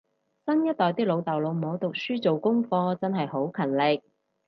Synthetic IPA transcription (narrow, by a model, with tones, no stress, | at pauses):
sɐ˥njɐ˥t̚t̪ɔː˨jt̪iː˥lo˨˧wt̪ɐ˨wlo˨˧wm̩˨˩ho˨˧wt̪ʊ˨k̚syː˥t͡so˨wkʊ˥ŋfɔː˧t͡sɐ˥nɦɐ˨jho˨˥wkʰɐ˨˩nlɪ˨k̚